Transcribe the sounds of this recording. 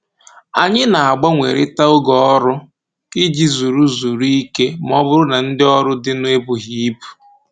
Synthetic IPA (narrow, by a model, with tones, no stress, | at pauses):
a˨ɲɪ˦na˨a˨ɡ͡ba˦ŋʷe˨ɾɪ˦ta˦ʊ˦ɡɔ˦ɔ˦ɾʊ˦ | kɪ˦d͡ʒi˦zu˨ɾu˦zu˨ɾi˦ke˦m˨˦ɔ˦bʊ˦ɾʊ˦na˨n̩˦dɪ˦ɔ˦ɾʊ˦dɪ˦nʊ˦e˦bu˨ɦi˦i˦bu̥˨